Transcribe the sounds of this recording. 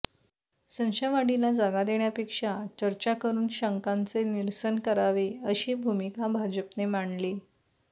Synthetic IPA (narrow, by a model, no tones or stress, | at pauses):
sə̃nɕaʋaɽilad͡zaɡad̪eɳjapekʂat͡ɕəɾt͡ɕakəɾuːnɕəŋkant͡seniɾsənkəɾaʋeəɕiːbʱumikabʱad͡ʑəpnemaɳliː